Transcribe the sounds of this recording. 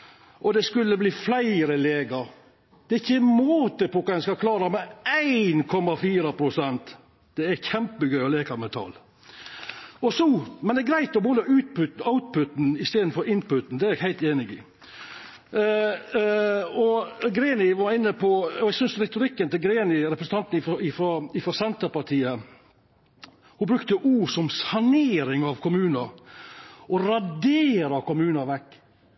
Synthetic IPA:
ʔɔd̪ɛskʉlːəbliːflæɪɾəleːɡɑɾ | d̪̥ɛɪçːənmoːt̪əpʰɔkɑɛnskɑkʰlɑːɾɑmɛæɪnkʰɔmːɑfiːɾɑpʰɾʊsɛnt̪ | d̪̥ɛæçɛmpəɡœʏɔleːkɑmɛt̪ʰɑ̰ːl | ɔsɔmɛnd̪ɛæɛɡɾæɪt̪ɔbuːnəʉːt̪̚pʉt̪n̩ɑʊt̪̚pʊt̪nɪst̪eːd̪n̩fɔɾɪnpʊt̪n̩d̪ɛæɾæɡhæɪlt̪eːnɪɡɪ | ɔɡɾeːnɪʋɑɾɪnːəpʰɔɔɛɡsʏnsɾɛt̪ʊɾɪkːənt̪ɪɡɾeːnɪɾɛpɾəsət̪ʰɑnt̪n̩ɪɔɪfɾɔɪfɾɔsɛnt̪əpɑt̪ʰiːə | hʊbɾʉkt̪əʔuːɾsɔmsɑneːɾɪŋɑʋkʰʊmʉːnɑ | ʔɔɾɑd̪eːɾɑkʊmʉːnɑʋɛkː

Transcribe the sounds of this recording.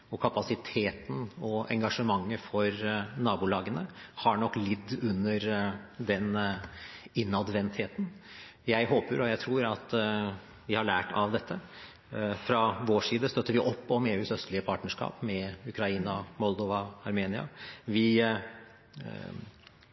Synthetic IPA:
ɔkʰɑpɑsɪt̪ʰeːt̪n̩ɔɛ̰ŋɡɑʂəmɑŋːəfɔɾnɑːbuːlɑːɡənəhɑɳɔkːlɪd̪ːʉnːəɾd̪ɛn | ɪnːɑd̪ʋɛnt̪heːt̪n̩ | jæɪɦoːpəɾɔjæɪt̪ʰɾuːɾɑt̪ | ʋɪhɑɭæːʈʰɑʋd̪ɛt̪ʰːə | fɾɑʋoːʂiːd̪əst̪œt̪ːəɾʋɪʔɔpːɔmeːʉːsœst̪lɪəpʰɑːʈnəʂkɑ̰ːpmɛʉkʰɾɑiːnɑmɔld̪ɔʋɑɑɾmeːnɪɑ̰ʋɪ

